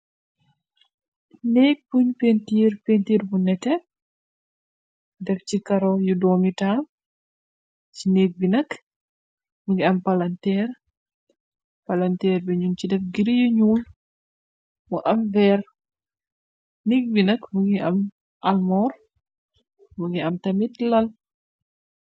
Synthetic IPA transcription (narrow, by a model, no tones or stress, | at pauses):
nek̚puɲpentiːɾpentiɾbunɛtɛ | dɛft͡ʃikaɾɔjudɔːmital | t͡ʃineːk̚binɐk | muŋɡiampalantɛːɾ | palantɛɾbɛɲunt͡ʃidɛfɡiɾjuɲuːl | mɔʔamvɛɾ | nik̚binakmuɡiʔam | ʔalmɔɾ | muɡiamtamitlal